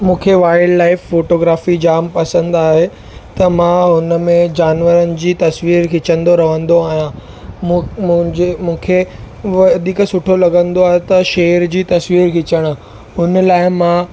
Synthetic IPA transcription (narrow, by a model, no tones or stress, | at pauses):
mũːkʰeʋaːɪɖlaːɪfːoːʈoːɡɾaːfid͡ʑaːmpɐsə̃nd̪aːɦe | t̪ɐmãɦʊnə̆mẽd͡ʑaːnʋəɾənɪ̆d͡ʑiːt̪ɐsʋiːɾkɪt͡ɕə̃nd̪oɾɐʋə̃nd̪oaːaɦijã | mũːkʰe | ʋɐd̪ʱiːksʊʈʰolɐɡə̃nd̪oaːɦet̪ɐʃeːəɾd͡ʑiːt̪ɐsʋiːɾkɪt͡ɕəɽ̃ | ɦʊnəlaːɪmã